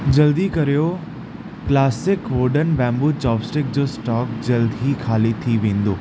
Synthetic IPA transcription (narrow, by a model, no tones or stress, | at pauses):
d͡ʑɐld̪ikɐɾijo | klaːsɪkʋoːɖənbɛ̃ːmbuːt͡ɕɔːbsʈɪk̚d͡ʑoːsʈɔːkd͡ʑɐld̪ʱikʰaːlit̪ʰiʋẽːn̆d̪oː